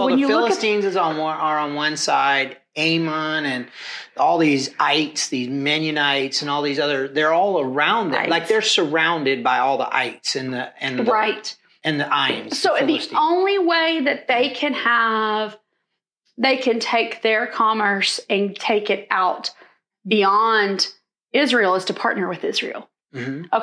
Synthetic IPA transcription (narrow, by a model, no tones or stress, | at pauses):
wɨ̃ðnjɨlfɪlʊlˠəstĩnzɨznwʌə˞ə̃nwʌ̃nsa̰ɪd | ẽɪ̃mə̃nɨ̃nɔlˠðizaɪtsðizmɛ̃njɨ̃naɪtsɨ̃nɔlˠðizʌðə˞ðə˞ɔlˠə˞ãʊ̃nd̰laɪk̚ðə˞sə˞ãʊ̃ndɨd̚baɪɔlˠðḭʔa̰ɪtsɨ̃nðəɨ̃nðɹaɪt̚ | ɨ̃nðiʔaɪɨ̃nzsoʊðiõʊ̃nliweɪðɨt̪̚ðeɪkʰɨ̃nəv | ðeɪkʰɨ̃ntʰeɪkðə˞kʰɑmə˞sɨ̃ntʰeɪkɨɾaʊt̚ | b̥iɑ̃nd | ɪzɹilˠəz̥tʰɨpʰɑɹtⁿnə˞wɨðɪzɹḭl̩ˠ | m̩m̥̩ʌ